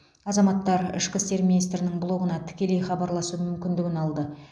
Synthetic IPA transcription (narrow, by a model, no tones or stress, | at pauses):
ɑzɑmɑt̪ːɑɾɪ̰ʃqʲɪst̪e̞ɾmʲinijst̪ɾɪnɪŋbʊlˠo̞kənɑt̪ʰɪ̥kʲe̞le̞jχɑbɑɾlˠɑsumʏmkʲɪnd̪ɪɡʲɪnɑlˠd̪ə